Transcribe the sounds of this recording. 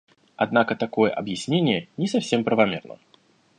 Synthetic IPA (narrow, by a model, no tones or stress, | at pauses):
a̰d̪nakət̪akojɛ̰ʔɐ̰bjɪsʲnʲenʲɪjɛnʲɪsɐfsʲempɾəvamʲɛrnə̰